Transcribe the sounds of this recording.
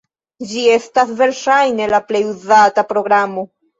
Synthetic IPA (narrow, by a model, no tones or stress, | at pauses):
d͡ʒie̞stasve̞ɾʃajne̞laple̞juzatapɾo̞ɡɾamo̞